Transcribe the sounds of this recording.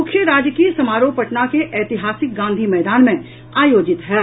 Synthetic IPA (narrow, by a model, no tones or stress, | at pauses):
mʊkʰjəɾaːd͡ʒkisɐmaːɾoːpɐʈnakeʔɛːt̪ɪɦaːsɪk̚ɡãːnd̪ʱimɛːd̪aːnmẽ | aːjoːd͡ʒɪt̪ɦɛː